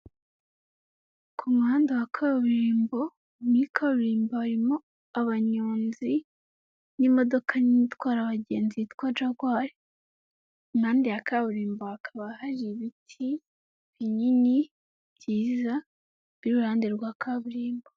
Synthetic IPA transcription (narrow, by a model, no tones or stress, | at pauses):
kʰomuhaːndawakʰaːβuɾiːmbo̞ | nikʰaβuɾiːmboaɾimo̞ | aβaɲoːnzi | nimo̞do̞kʰaniitwaːɾaβaɟe̞ːnzitkwad͡ʒaɡwaːɾe | imhaːndijakaβuɾiːmboakʰaβahaɾiβitʰi | βiɲiɲi | bɟiːza | bɾuɾaːndeɾɡwaːkʰaːβuɾiːmbo